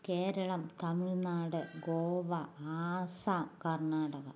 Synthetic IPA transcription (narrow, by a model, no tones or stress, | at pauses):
keːɾɐɭɐmt̪ɐmɪɭnaːɽɨɡoːʋɐaːsaːkɐrɳaːɽɐɣɐ̰